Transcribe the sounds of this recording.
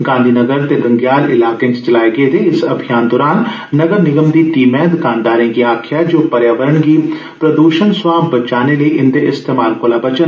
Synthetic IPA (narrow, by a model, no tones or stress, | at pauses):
ɡãːnd̪ʱiːnɐɡəɾt̪eɡɐ̃ŋɡjaːlɪlaːkẽst͡ʃɐlaːeɡet̪ʰeɪsɐbʱijaːnd̪ɔːɾaːnː | ɐɡəɾnɪɡəmd̪iʈiːmɛ̃ːd̪kãːnd̪aːɾẽkiaːkʰjad͡ʒoːpɐɾjaːʋəɾəɳki | pɾɐd̪uːʃənsʋaːmbɐt͡ʃaːneləiʔɪnd̪eʔɪst̪eːmaːlkoːlabɐt͡ʃən